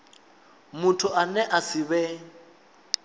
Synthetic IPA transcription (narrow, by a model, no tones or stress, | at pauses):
mʊtʰʊʔanɛʔasɪβɛ